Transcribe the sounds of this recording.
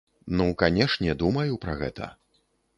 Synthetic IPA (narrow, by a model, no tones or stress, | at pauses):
nukanʲɛʂnʲɛd̪umɐjupɾɐɣɛ̰t̪ʰɐ̰